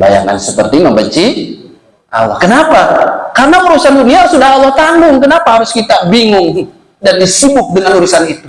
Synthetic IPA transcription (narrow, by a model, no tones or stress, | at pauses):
ba̰ja̰ŋa̰nsəpərt̪iməmbəɲt͡ʃi | ʔa̰lːɔ̰kənapakaɾənaəɾusanduniaɦaɾʊsudahalːɔht̪aŋɡʊŋkənapaɦaɾʊskit̪abiŋʊŋ | dandisibʊk̚dəŋanuɾusanit̪u